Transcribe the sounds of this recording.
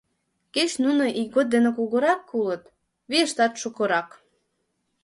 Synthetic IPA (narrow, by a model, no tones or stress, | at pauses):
ket͡ɕnunoʔik̚ɡod̪̚d̪enĕkuɣoɾɑkːulət̪ | βeəʃt̪ɑt̪ʃukoɾɑk